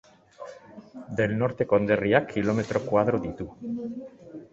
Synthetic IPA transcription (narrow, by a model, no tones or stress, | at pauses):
d̪elnɔɾt̪ekond̪eriakʰːilomet̪ɾokwaðɾod̪it̪u